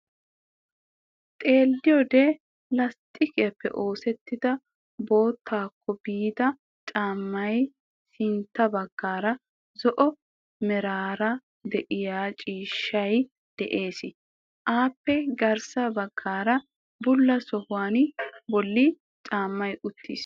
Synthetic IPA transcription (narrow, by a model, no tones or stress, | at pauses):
t̪ʼe̞ːldɪjɔd̪eː | lɐst̪ʼɪkɪjɐpːɛ̰ʔo̞ːsɛt̪ːɪd̪ɐ | bo̞ːt̪ʰːaːkʰːɔbiːd̪ɐ | t͡ʃʼaːmːɐj | sɪnt̪ːɐbɐɡ̥ːaːɾɐ | zɔʔɔ | mɛɾaːɾɐ | d̪ɛʔɪjaːt͡ʃʼiːʃːɐj | d̪̥ɛʔe̞ːsɪ | ʔaːpːɛɡɐɾsɐbɐɡːaːɾɐ | bʊlːɐsɔhʊwaːnbɔlːɪ | t͡ʃʼaːmːɐjʔʊt̪ʰːḭːs